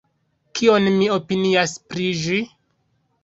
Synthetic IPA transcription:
kio̞nmio̞piniaspɾiʒi

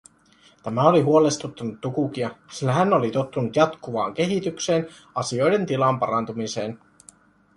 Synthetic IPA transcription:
t̪æmæo̞liɦuole̞st̪ut̪ːunut̪ːukuk̟iɑsilːæɦænːolit̪ot̪ːunut̪jɑt̪kuʋɑːŋk̟e̞ɦit̪ykse̞ːn | ɑsio̞jde̞nt̪ilɑmpɑɾɑnt̪umise̞ːn

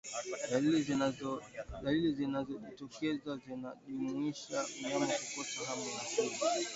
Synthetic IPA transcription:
l | alilizinazɔʄitɔkɛzazinaʄumuiʃamɲamɔkukɔsaɦamanasula

